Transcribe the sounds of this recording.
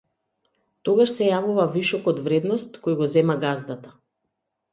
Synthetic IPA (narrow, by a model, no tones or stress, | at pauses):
t̪ɔɡaʃsɛjavuvaviʃɔkɔd̪vɾɛd̪nɔst̪kɔjɡɔzɛmaɡazd̪at̪ḁ